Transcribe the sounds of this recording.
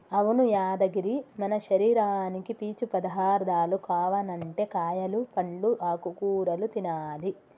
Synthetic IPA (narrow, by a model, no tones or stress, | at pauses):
ɐʋunujaːd̪ɐɡiɾimɐnɐʃɐɾiːɾaːnikipiːt͡ʃupɐd̪ɐɦaːɾd̪aːlukaːʋɐnɐɳʈe̞kaːjɐlupɐɳɖuʔaːkukuːɾɐlut̪inaːli